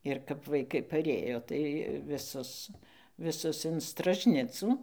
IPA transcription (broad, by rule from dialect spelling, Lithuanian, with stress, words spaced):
ɪr kɐp ʋɐɪˈkɐɪ pɐˈrʲeːjoː tɐɪ ʋʲɪˈsʊs ʋʲɪˈsʊs ɪn strɐʒʲˈnʲɪt͡suː